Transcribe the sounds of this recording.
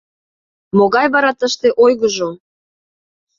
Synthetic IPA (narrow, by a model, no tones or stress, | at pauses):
moɣɑjβɑɾɑt̪əʃt̪eʔojɣəʒo